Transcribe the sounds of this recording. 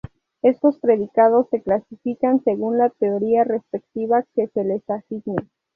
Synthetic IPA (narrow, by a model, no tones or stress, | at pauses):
e̞st̪o̞spɾe̞ðikað̞o̞sːe̞klasifikanse̞ɣunlat̪eoɾiare̞spe̞k̚t̪iβake̞se̞le̞saxiɡne